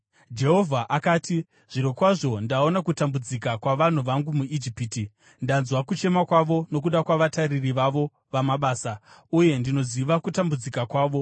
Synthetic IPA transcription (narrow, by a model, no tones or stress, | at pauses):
d͡ʒe̞ɦo̞vʱaʔakaːti | ʐ̥iɾokwaʐo̞ndao̞nakutambud͡zikakwaʋan̤uʋaŋɡumuid͡ʒipiti | ndanzwakut͡ʃe̞makwaʋo̞no̞k̬uɗakwaʋataririʋaʋo̞ | ʋamaɓaːsa | uje̞ndino̞ziʋakutambud͡zikakwaːʋo̞